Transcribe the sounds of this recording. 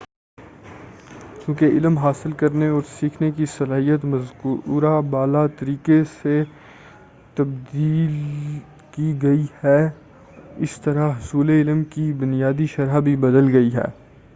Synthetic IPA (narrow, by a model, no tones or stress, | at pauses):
t͡ʃũːkeɪlmɦaːsɪlkɐɾneɔːɾsiːkʰnek̬isɐlaːɦijət̪mɐzkːɾabaːlat̪ɐɾiːkese | t̪ɐb̚d̪iːl | kiɡɐihɛː | ɪst̪ɐɾaɦʊsuːleɪlmkibʊnijaːd̪iʃɐɾabʱibɐd̪əlɡɐiɦɛ̰ː